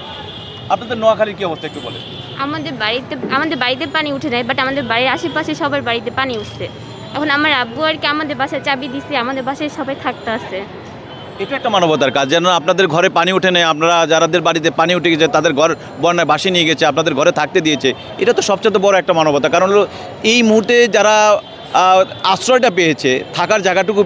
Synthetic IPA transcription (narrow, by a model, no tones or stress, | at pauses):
ap̚nad̪eɾnɔakʰaliɾkiɔbost̪aeekʈubolḛ | amad̪eɾbaɾit̪eamad̪eɾbaɾit̪̬eɾpaniuʈʰenajbaʈamad̪eɾbaɾiɾaʃipaʃeʃɔbaeɾbaɾit̪epaniuʈʰsʰe | ɛkʰonamaɾabuaɾkeamad̪eɾbaʃat͡ɕabid̪iseamad̪eɾbaʃaʃɔbajt̪ʰak̚t̪eaʃe | eʈuɛkʈamanobot̪aɾkad͡ʑd͡ʑɛnoapnad̪eɾɡʱɔɾepaniuʈʰenɛjapnaɾad͡ʑaɾad̪eɾbaɽit̪̬epaniuʈʰeɡɛt͡ɕʰet̪ad̪eɾɡʱɔɾ | bɔnabaʃinieɡɛt͡ɕʰeap̚nad̪eɾɡʱɔɾet̪ʰak̚t̪ed̪ijet͡ɕʰe | eʈat̪oʃɔb̚t͡ɕat̪̬obɔɾoɛk̚ʈamanobot̪ːakaɾɦlo | ejmuɦuɾt̪ed͡ʑaɾa | asɾɔjʈapejet͡ɕʰet̪ʰakaɾd͡ʑaɡaʈuku